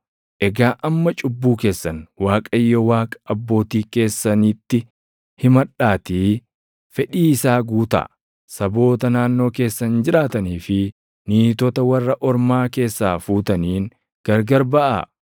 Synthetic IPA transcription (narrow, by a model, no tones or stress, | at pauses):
ʔɛɡaːʔɐmːɐt͡ʃʼʊbːuːke̞ːsːɐnwaːkʼɐjːɔwaːkʼɐ̥ʔɐbːo̞ːt̪iːke̞ːsːɐniːt̪ːɪ | hɪmɐᶑaːt̪i | fɛᶑiːɪsaːɡuːt̪ɐ̰ | sɐbo̞ːt̪ɐnaːnːo̞ːke̞ːsːɐnd͡ʒɪɾaːt̪ɐniːfɪ | niːt̪ɔt̪ɐwɐrːɐʔɔɾmaːke̞ːsːaːfuːt̪ɐniːŋ | ɡ̥ɐɾɡɐɾbɐʔa̰